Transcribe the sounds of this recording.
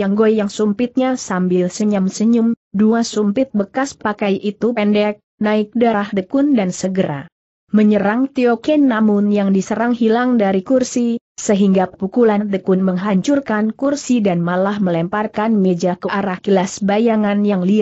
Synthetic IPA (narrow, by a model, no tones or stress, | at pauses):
aŋɡojjaŋsumpɪt̪̚ɲasambɪlsəɲamsəɲʊm | duasumpɪt̪̚bəkaspakajʔit̪upɛndɛk̚naɪk̚daɾahdəkʊndansəɡəɾa̰ | məɲəɾaŋt̪iokɛnːamʊnjaŋdisəɾaŋɦilaŋdaɾikursi | səɦiŋɡapukulandəkunməŋɦaɲt͡ʃurkankursidanmalahməlɛmparkanmed͡ʒakəʔaɾahkilasbajaŋanjaŋli